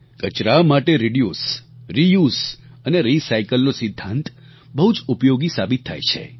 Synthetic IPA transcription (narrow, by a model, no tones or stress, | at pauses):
kət͡ʃɾamaʈeɾiɖjusɾijuzəneɾisaikəlnosɪd̪ʱːãnt̪ | bəɦud͡ʒupjoɡisabit̪ʰːa̰jt͡ʃʰḛ